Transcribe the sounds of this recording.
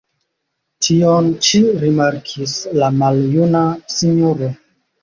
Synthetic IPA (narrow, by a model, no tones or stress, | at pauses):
tʰiont͡ʃiɾimaɾkʰislamaljunasiɲoɾo